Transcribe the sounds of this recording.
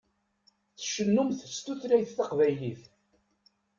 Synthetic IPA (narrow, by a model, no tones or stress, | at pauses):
θəʃənːumθst̪uθɾæjθːɑqvæjliθ